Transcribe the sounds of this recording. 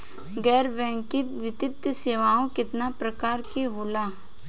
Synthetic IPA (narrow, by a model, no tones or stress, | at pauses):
ɡɛːɾʋɛ̃ːŋkɪt̪ʋɪt̪ɪt̪ːseːʋaːõkɪt̪napɾəkaːɾkeɦoːlaː